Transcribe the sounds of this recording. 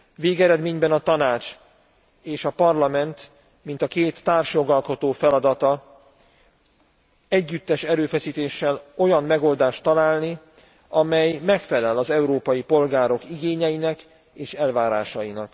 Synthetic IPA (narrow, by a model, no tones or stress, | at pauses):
veːɡɛɾɛd̪meːɲbɛnɒt̪ɒnaːt͡ʃ | eːʃɒpɒrlɒmɛnt̪ | mint̪ɒkeːt̪ːaːrʃjo̞ɡɒlko̞t̪oːfɛlɒd̪ɒt̪ɒ | ɛɟːyt̪ːɛʃɛɾøːfɛsiːt̪eːʃːɛlo̞jɒmːmɛɡo̞ld̪aːʃt̪ːɒlaːlni | ɒmɛjmɛkfɛlɛlɒzɛuɾoːpɒjipo̞lɡaːɾo̞kiɡeːɲɛjinɛk | eːʃɛlvaːɾa̰ːʃɒjinɒk